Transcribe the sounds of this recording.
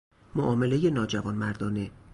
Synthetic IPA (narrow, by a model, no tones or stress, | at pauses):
moʔɒːme̞le̞jenɒːd͡ʒævɒːnmæɾd̪ɒːne